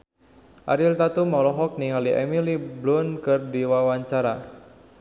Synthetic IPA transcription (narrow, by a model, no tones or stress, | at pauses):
ʔaɾilt̪at̪umɔlɔɦɔk̚niŋaliʔɛ̰miliblʊnkɨrdiwawaɲt͡ʃaɾa